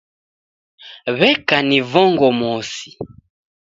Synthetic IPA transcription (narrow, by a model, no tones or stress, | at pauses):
βɛkanivɔŋɡɔmɔsi̥